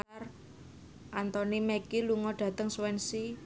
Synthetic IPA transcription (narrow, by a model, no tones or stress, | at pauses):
r | ʔant̪ɔnimɛkiluŋɔɖ̥a̤t̪əŋswɛnsi